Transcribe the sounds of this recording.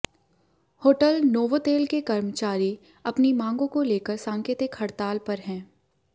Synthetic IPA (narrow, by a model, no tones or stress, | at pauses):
hoːʈəlnoːʋot̪eːlkekɐɾmət͡ʃaːɾi | ɐpnimãːŋɡõkoleːkəɾsãːŋkeːt̪ɪkhɐɽt̪aːlpɐɾɦɛ̃ː